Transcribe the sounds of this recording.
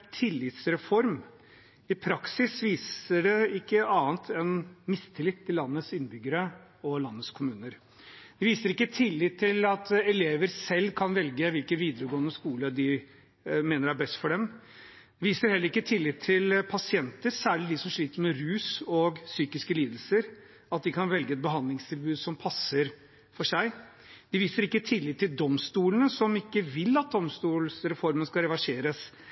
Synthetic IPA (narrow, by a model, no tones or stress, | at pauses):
t̪ʰɪlːɪt̪sɾɛfɔɾm | ɪpʰɾɑksɪsʋiːsəɖɛɪkːəɑːnt̪ʰɛnmɪst̪ʰɪlɪt̪ʰːɪlːɑnːət̪sɪnːəbʏɡːəɾəɔlɑnːət̪skʰʊmʉːnəɾ | d̪̥ɛʋiːsəɾɪkːət̪ʰɪlːɪt̪ʰːɪlɑt̪ɛleːʋəɾsɛlːkʰɑnʋɛlɡəʋɪlkənʋiːd̪əɾəɡoːnːəskuːləd̪ɪ | meːnəɾæbɛst̪fɔɖɛm | d̪ɛʋiːsəɾhɛlːəɾɪkːət̪ʰɪlːɪt̪ʰːɪlpʰɑsɪɛnt̪əɾsæːɭɪd̪ɪsɔmʂɭiːt̪əɾmɛɾʉːsɔɡsyːkɪskəliːd̪əl̩səɾ | ɑt̪̚d̪ɪkʰɑnʋɛlɡəɛt̪̚bəɦɑnd̪lɪŋst̪ʰɪlbʉːd̪sɔmpʰɑsəɾ | fɔʂæɪ | d̪̥ɪʋiːsəɾɪkːət̪ʰɪlːɪt̪ʰːɪld̪ɔmst̪uːlənəsɔmɪkːəʋɪlːɑt̪̚d̪ɔmst̪uːlsɾɛfɔɾmənskɑɾɛʋɑʂeːɾəs